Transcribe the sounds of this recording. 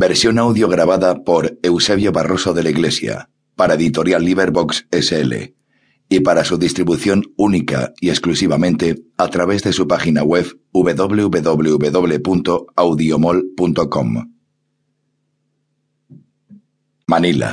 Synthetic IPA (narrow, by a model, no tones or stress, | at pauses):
be̞ɾsjo̞nawðjo̞ɣ̞ɾaβ̞aðapo̞ɾe̞wse̞βjo̞βaro̞so̞ðe̞laiɣle̞sja̰ | paɾaeðit̪o̞ɾjalːiβe̞ɾβo̞kseseelḛ | ipaɾasuðist̪ɾiβuθjo̞nunika̰ie̞sklusiβamẽnt̪e̞at̪ɾaβ̞e̞zðe̞supaxinaɣwe̞β | uβe̞ðo̞βleuβe̞ðo̞βleuβe̞ðo̞βle̞punt̪o̞awðjiomolpunt̪o̞kom | manila̰